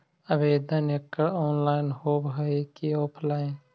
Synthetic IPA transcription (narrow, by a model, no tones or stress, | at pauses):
əbeːd̪əneːkːəɽoːnlaːɪnhoːbɦəikioːpʰlaːɪn